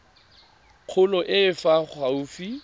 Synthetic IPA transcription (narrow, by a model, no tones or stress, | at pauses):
q͡χʰʊlɔʔɪfaχauːfi